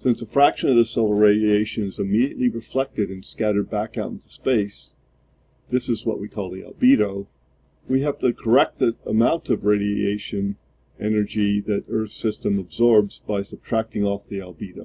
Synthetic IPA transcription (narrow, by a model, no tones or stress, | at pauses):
sɪ̃nsðəfɹækʃɨ̃nʌvðɨsoʊlˠə˞ɹeɪɾieɪʃɨ̃nɨzɨmiɾiɨ̰ʔˡliɹɨflɛk̚tɨɾɨ̃nskæɾə˞d̚bækaʊɾ̃ntu̥speɪs | ðɪsɨzwʌ̰ʔ̚wikʰɔlˠðiæ̰lˠbiɾoʊ | wiɨvðɨkʰə˞ɛk̚t̚ɨɾə̰mãʊ̃ntʰʌvɹeɪɾiḛɪʃɨ̃n | ʔɛnə˞d͡ʒiðɨɾɜ˞θsɪstə̃məbzɔɹbzbaɪsəb̚tʰɹ̥æk̚tɪ̃ŋɔfðialˠbiɾoʊ